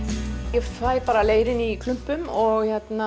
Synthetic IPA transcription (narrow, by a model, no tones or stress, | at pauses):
ɛfaːjpaːɾaleːjɾɪnikʰlʏm̥pʏmɔɣçɛt̪na